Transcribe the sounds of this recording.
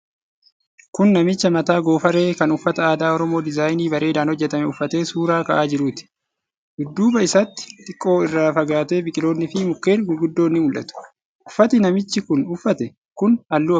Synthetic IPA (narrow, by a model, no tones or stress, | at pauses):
kʊnːɐmɪt͡ʃːɐmɐt̪aːɡo̞ːfɐɾe̞ːkɐnʊfːɐt̪ɐaːd̪aːɔɾɔmo̞ːd̪ɪzaːjniːbɐɾʔe̞ːd̪aːnhɔd͡ʒːɛt̪ɐmɛʊfːɐt̪e̞ːsuːɾaːkɐʔaːd͡ʒɪɾuːt̪ɪ̥ | ɡʊd̪ːuːbɐɪsɐt̪ːɪ̥t̪ʼɪkʼːo̞ːɪrːaːfɐɡaːt̪e̞ːbɪkʼɪlo̞ːnːɪfɪmʊkːe̞ːnɡʊlɡʊd̪ːo̞ːnːɪmʊlʔɐ̰t̪ʊ̥ | ʔʊfːɐt̪ɪnɐmɪt͡ʃːɪkʊnʊfːɐt̪ɛ | kʊnɐlːuːɐ